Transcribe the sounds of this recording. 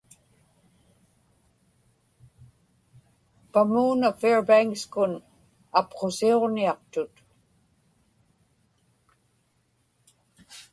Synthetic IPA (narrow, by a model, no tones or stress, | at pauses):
pamuːnafeɹbajŋkskʊn | apqo̞sioʁniɑq̚t̪ʊt̪